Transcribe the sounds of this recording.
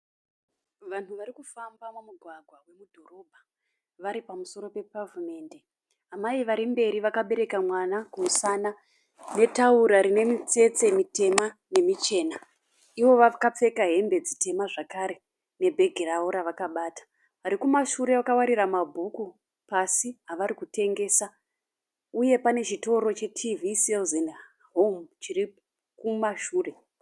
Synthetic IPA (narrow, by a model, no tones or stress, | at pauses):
ʋan̤uʋaɾikufambamumuɡʱwaɡʱwawe̞mudʱo̞ro̞bʱa | ʋaɾipamuso̞ɾo̞pe̞pavume̞ːnde̞ | amaiʋaɾimbe̞ɾiʋakaɓe̞ɾe̞kamwanakumusana | ne̞tauɾaɾine̞mit͡se̞t͡se̞mite̞mane̞mit͡ʃe̞ːna | iʋo̞ʋakap͡fe̞kaɦe̞mbe̞d͡zitʰe̞maʐakaɾe̞ | ne̞bʱe̞ɡʱiraoɾaʋakaɓaːtḁ | ʋaɾikumaʃuɾe̞ʋakawaɾiramabʱuku | pasiɦaʋaɾikutʰe̞ŋɡe̞ːsa | uje̞pane̞t͡ʃito̞ɾo̞t͡ʃe̞tʰiviselzen | ɦomut͡ʃiri | kumaʃuːre̞